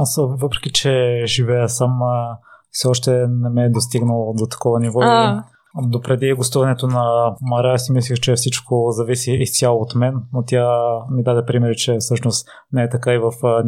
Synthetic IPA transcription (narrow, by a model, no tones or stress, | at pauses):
asvɤpɾɛ̥k̟it͡ʃɛʒivɛjəsam | fsɛɔʃt̪ɛnɛmɛd̪ost̪iɡnəlˠod̪ot̪ɐ̥kɔvɐnivɔ | d̪opɾɛd̪iɡost̪uvɐnɛt̪onɐmɐɾɛsimislʲixt͡ʃɛfsit͡ʃkʰozɐvisiːst̪ʲjalˠoːt̪mɛnːot̪jamid̪ad̪ɛpɾimɛɾit͡ʃɛfsɤʃnost̪ | nɛɛt̪ɐkaivɐf